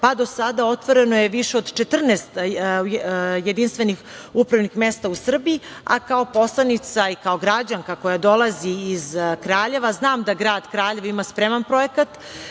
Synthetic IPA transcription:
pad̪o̞sad̪ao̞t̪ʋo̞ɾe̞no̞jeʋiʃeo̞d̪t͡ʃet̪r̩neːst̪ | jed̪inst̪ʋe̞nix | upɾavnixmest̪ausr̩biia̰kao̞po̞slˠanit̪saikao̞ɡɾad͡ʑaŋkako̞jad̪o̞lˠaziːzkɾaːʎe̞ʋaznaːmd̪aɡɾaːd̪kɾaːʎeʋimaspɾemanpɾo̞jekat̪

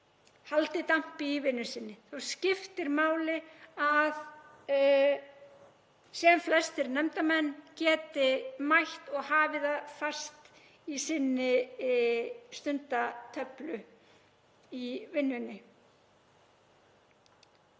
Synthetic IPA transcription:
halt̪ɪt̪am̥pɪivɪnːʏsɪnːɪθawscɪft̪ɪɾmaːwlɪað | sɛmflɛst̪ɪɾnɛmt̪amɛnːcɛːt̪ɪmajht̪ɔɣhaːvɪðafast̪ | isɪnːɪ | st̪ʏnt̪at̪ʰœplʏ | ivɪnːɪnːɪ

